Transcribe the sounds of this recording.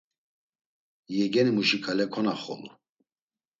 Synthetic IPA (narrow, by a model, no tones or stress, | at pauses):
jɛɡɛnimuʃikʰalɛkʰɔnaχɔ̰lṵ